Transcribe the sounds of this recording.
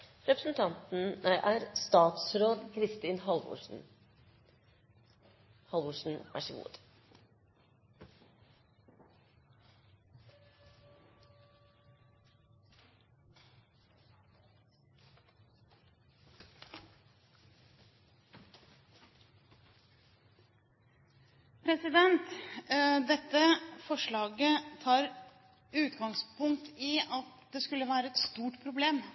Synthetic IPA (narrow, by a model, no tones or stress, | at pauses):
ɾɛpɾəsn̩t̪ʰɑnt̪n̩æɪʔæːɾst̪ɑːt̪sɾoːd̪kʰɾɪst̪iːnhɑlʊ̰n̩ | hɑlʋʊʂn̩ʋæ̰ʂɪɡṵːd̪ | pʰɾɛsɪd̪ɛnt̪ | d̪ɛt̪ːəfɔʂɭɑːɡət̪ʰɑːɾ | ʉːt̪ɡɑŋspʊŋkt̪ʰɪɑt̪d̪eːskʉlːəʋæːɾəɛt̪st̪uːʈpʰɾʊbleːm